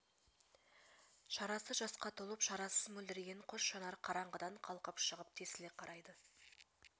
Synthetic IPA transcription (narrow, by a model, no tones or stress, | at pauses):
ʃɑɾɑsəʒɑsqɑt̪ʰolˠəpʃɑɾɑsəzmɵld̪ɪɾɡʲe̞ɴqʰoʃʃɑnɑɾqʰɑɾɑɴʁəd̪ɑɴqʰɑlˠqəpʃəʁəp̚t̪ʰesɪleqʰɑɾɑjd̪ə